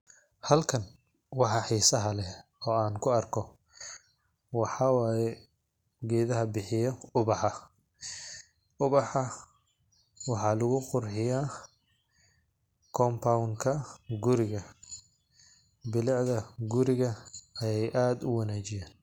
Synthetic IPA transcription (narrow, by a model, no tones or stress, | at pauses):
hɐlkʰɐn | wɑħɑħiːsɐɦɐlɛɔːaːnkʰʊɐrkʰɔ | wɑħɑːwaːjɛ | ɡɛːðɐɦɐbɪħɪjɔʊβɑħɑ | ʔʊβɑħɑ | wɑħɑlʊɣʊqʊrħɪjaː | kʰɔmpʰawŋkʰɐɡʊɾɪɣɐ | bɪlɑʕðɐɡʊɾɪɣɐɐjɛjʔaːd̪ʊwɑnaːt͡ʃɪjaːn